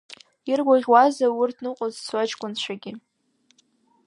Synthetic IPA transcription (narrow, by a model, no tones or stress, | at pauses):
irɡʷaʁʲwazawʊrtʰnɨqʼozswat͡ʃkʷʼʊnʃʷaɡʲɪ